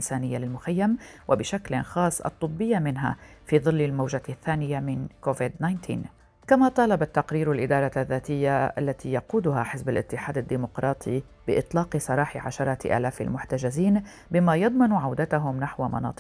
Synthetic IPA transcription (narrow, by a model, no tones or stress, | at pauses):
ʔɪnsaːnɪjːalɪlmʊxajːamwʔabɪʃaklɪ̰nxɑːsˤːʔɑ̰t̪ˤːɨbːɪjːamɪnɦa̰fiːðˤɨlːɪlmawʒaθːaːnɪjamɪnkoːvɪd̪najnt̪ʰḭːn | kamat̪ˤɑːlɑbat̪ːɑqɾiːɾalʔɪd̪ɑːɾˤɑaðːaːt̪ɪjːaʔa̰lːat̪iːjɑquːd̪ʊɦaħɪsbalʔɪ̰t̪ːɪħaːd̪ad̪ːiːmʊqɾˤɑːt̪ˤʰi | b̥ɪʔɪt̪ˤlɑːqɨsˤɑɾˤɑːħɪʕa̰ʃɑɾˤɑːt̪ʔa̰ːlaːfa̰lmʊħt̪ad͡ʒaziːn | bɪmajɑd̪ˤmɑnʕawd̪at̪aɦʊmnaħwamɑ̰nɑ̰ːt̪ˤ